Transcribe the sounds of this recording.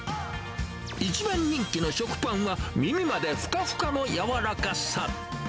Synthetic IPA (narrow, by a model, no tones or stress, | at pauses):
it͡ɕibãɲ̟ːĩŋkʲino̞ɕo̞kɯ̟̥pãɰ̃βamʲimʲimad̪e̞ɸɯ̥kaɸɯ̥kano̞jaβaɾakaɕa